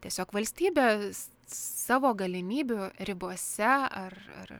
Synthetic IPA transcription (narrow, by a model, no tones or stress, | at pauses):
t̪ʲiɛsʲoːkʋɐlʲsʲt̪ʲiːbʲeː | sɑːʋoːɡɐlʲɪmʲiːbʲʊɾʲɪboɔsʲɛɐrɐ̰r